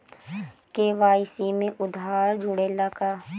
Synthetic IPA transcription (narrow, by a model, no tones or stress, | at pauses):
keːʋaːɪsimẽʔʊd̪aːɾd͡ʒʱʊɽelaɡaː